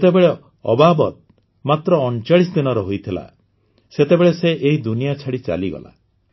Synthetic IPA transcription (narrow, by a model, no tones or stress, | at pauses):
t̪ebeɭe | ɔbabɔt̪̚ | mat̪ɾɔːnt͡ʃaɭisd̪inɔɾɔɦojt̪ʰila̰ | set̪ebeɭeseʔeɦid̪unijat͡ʃʰaɽit͡ʃa̰liɡɔ̰la̰